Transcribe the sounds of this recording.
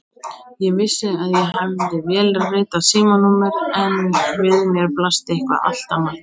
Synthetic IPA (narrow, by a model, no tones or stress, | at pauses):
jɛvɪsːɪaðjɛɦavðɪvjɛːlrɪːt̪asiːmanumɪɾɛnvɪðmjɛɾplast̪ɪehkva̰a̰l̥t̪ama